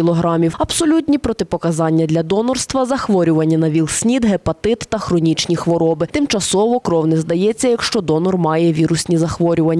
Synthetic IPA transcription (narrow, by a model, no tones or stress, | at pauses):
ilˠɔɦɾɑmʲiwɐbsɔlʲut̪ʲnʲipɾɔt̪ɪpɔkɐzɑnʲːɐd̪lʲɐd̪ɔnɔrst̪ʋɐzɐxʋɔɾʲʊʋɐnʲːɐnɐʋʲilˠsʲnʲid̪ɦepɐt̪ɪt̪ːɐxɾɔnʲit͡ʃnʲixʋɔɾɔbɪt̪ɪmt͡ʃɐsɔʋɔkɾɔwnɪzd̪ɐjɛt͡sʲːɐjɐkʃt͡ʃɔd̪ɔnɔrmɑjɛʋʲiɾʊsʲnʲizɐxʋɔɾʲʊʋɐnʲː